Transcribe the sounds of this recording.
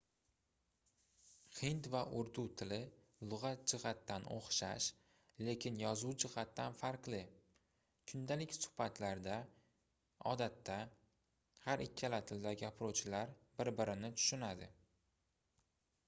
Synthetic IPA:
hɪnt̪vaʔʊɾd̪ut̪ʰɪlɪ | lˠʊʁɑt̪̚d͡ʒɪʁat̪ːanʔo̰χʃa̰ʃ | le̞kʲʰɪnjɒzuwd͡ʒɪʁat̪ːanfaɾqlɪ | kʰʊnd̪alɪkʲsʊ̥hbat̪ʰlaɾd̪a | ɒ̰d̪at̪ːa | haɾʔɪkʲʰːalat̪ʰɪld̪aɡʲapʰɾowt͡ʃʰɪlaɾbɪɾbɪɾɪnɪt̪ʰʊ̥ʃʊnad̪ɪ̰

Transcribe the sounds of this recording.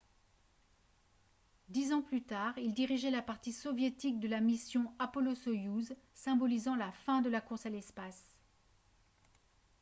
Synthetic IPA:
d̪izɑ̃plyt̪aʁild̪iʁiʒɛlapaʁt̪isɔvjet̪ik̚d̪əlamisjɔ̃apɔlosɔjuzsɛ̃bɔlizɑ̃lafɛ̃d̪əlakuʁsalɛspas

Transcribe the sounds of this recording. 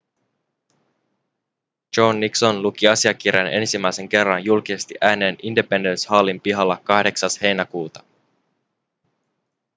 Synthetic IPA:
d͡ʒo̞nːikso̞nluk̟iɑsiɑk̟irjɑne̞̰nsimːæjse̞ŋk̟e̞rːɑnjulkise̞st̪iʔæːne̞ːnʔindepe̞ndenshɑːlːimpiɦɑlːɑkɑhde̞ksɑshe̞jnækuːt̪ɑ̥

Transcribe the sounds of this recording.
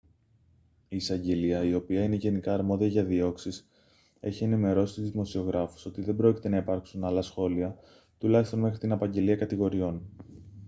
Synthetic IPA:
iːsɐɲɟe̞liɐio̞piɐine̞ʝe̞nikɐːɾmo̞ðiɐʝɐðio̞ksis | e̞̰çie̞nime̞ɾo̞sit̪izimosio̞ɣɾɐfu̥so̞t̪iðe̞bɾo̞ci̥t̪e̞nɐipɐɾksunɐlɐsxo̞liɐ | t̪ulɐçist̪o̞nme̞xɾit̪inɐpɐɲɟe̞liɐkɐt̪iɣo̞ɾio̞n

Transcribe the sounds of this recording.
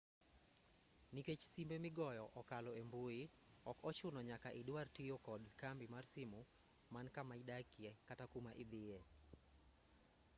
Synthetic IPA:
niket͡ʃsimbemɪɡɔjɔʔɔkalɔemboi | ɔkɔt͡ʃʊnɔɲakaʔɪdwartijokɔdkambimarsɪmʊ | mankamaidakɪɛkatakumaʔɪd̪ɪjɛ

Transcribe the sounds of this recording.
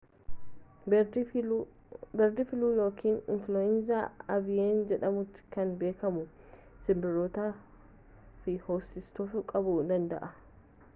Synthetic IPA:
bɛɾd̪ɪfɪluːjoːkʰiːnɪnfloɪnzaːɐbɪjeːnd͡ʒɛᶑɐmʊt̪ɪ̥kɐnbe̞ːkɐmʊ | sɪmbɪɾoːt̪aː | fɪhoːsːɪst̪ofʊkʼɐbʊd̪ɐnd̪ɐ̰ʔɐ

